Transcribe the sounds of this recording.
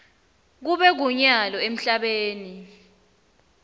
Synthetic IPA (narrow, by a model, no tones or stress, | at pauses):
k̬uɓɛk̬uɲalɔem̩ɬaɓeːni